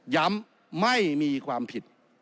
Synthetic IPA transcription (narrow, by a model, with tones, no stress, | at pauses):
ja˧˦˥mː | a˥˩jmiː˧kʰwaː˧mpʰi˨˩t̪̚